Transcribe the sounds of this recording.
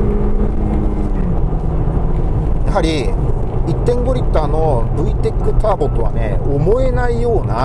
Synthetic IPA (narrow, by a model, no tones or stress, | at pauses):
jaɦaɾʲi | it̪ːẽ̞ŋɡo̞ɾʲit̪ːaːno̞ɾɯ̟it̪e̞kːɯ̟t̪aːbo̞t̪ːo̞βa̰nḛomo̞e̞naijo̞ːna